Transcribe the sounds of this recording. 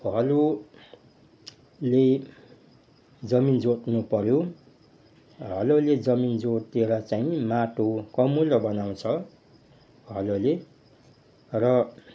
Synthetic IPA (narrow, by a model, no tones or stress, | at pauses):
ɦʌlo | le | d͡zʌmind͡zot̪nupʌɾjo | ɦʌloled͡zʌmind͡zot̪eɾʌt͡saĩmaʈokʌmulʌbʌnaw̃t͡sʰʌ | ɦʌlole | rʌ